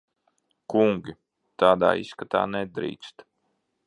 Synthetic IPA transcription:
kuŋɡʲi | t̪aːd̪a̰ːḭskat̪a̰ːnɛd̪ɾḭːk̪st̪

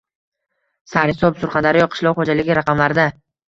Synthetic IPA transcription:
saɾhɪsɒpsʊɾχɑnd̪aɾɪjɒqʰɨ̥ʃlˠɒwχod͡ʒalɪɡʲɪɾaqʰɑmlaɾd̪a

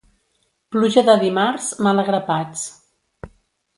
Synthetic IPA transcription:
pluʒəðəðimaɾzmələɣɾəpat͡s

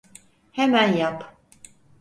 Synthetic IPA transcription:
hemænjap

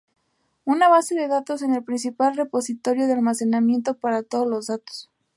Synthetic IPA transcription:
unaβ̞ase̞ðe̞ðat̪o̞se̞ne̞lpɾins̬ipalre̞po̞sit̪o̞ɾjo̞ðealmase̞namje̞nt̪o̞paɾat̪o̞ðozlo̞zðat̪o̥s

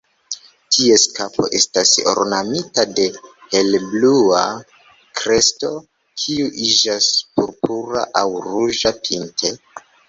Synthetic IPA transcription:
tʰie̞skapʰo̞̰ʔe̞staso̰ɾnamitade̞helblua | kɾe̞sto̞ | kʰiuʔid͡ʒaspuɾpuɾa̰ʔawɾuʒapʰintʰe̞

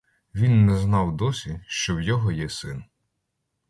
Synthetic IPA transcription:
ʋʲinːɛznɑwd̪ɔsʲiʃt͡ʃɔwjɔɦɔjɛsɪn

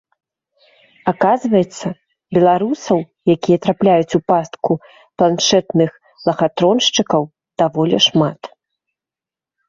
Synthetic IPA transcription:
akazvɐjɛt̪sːɐ | bʲɛlˠaɾusɐw | jakʲijɐt̪ɾaplʲajut͡sʲupast̪ku | plˠanʂɛt̪nɨx | lˠɐɣat̪ɾɔnʂt͡ʂɨkɐw | d̪̥avɔlʲɛʂmat̪

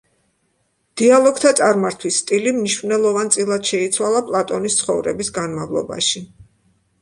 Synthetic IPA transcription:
d̪̥ialˠɔɡ̚t̪ʰat̪sʼaɾmaɾt̪ʰwisːt̪ʼilimniʃvnɛlˠɔvant̪sʼilˠad̪̥ʃɛit̪sʰwalˠapʼlˠat̪ʼɔnist̪sʰχɔvɾɛbisɡanmavlˠɔ̰ba̰ʃi

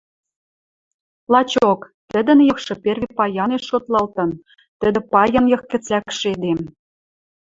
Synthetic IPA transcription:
lɑt͡ɕokt̪ə̆d̪ə̆njɤ̆xʃɤ̆pervepɑjɑneʃot̪lɑlt̪ɤ̆n | t̪ə̆d̪ɘ̆pɑjɤ̆njɤ̆xkɘ̆t͡sækʃed̪em

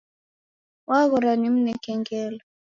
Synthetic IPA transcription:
waɣɔɾanim̩nɛkɛŋɡɛlɔ

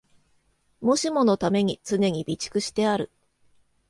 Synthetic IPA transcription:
mo̞ɕimo̞no̞t̪ame̞ɲ̟it͡sɨne̞ɲ̟ibʲit͡ɕi̥kɯ̟ɕi̥t̪e̞aɾɯ̟

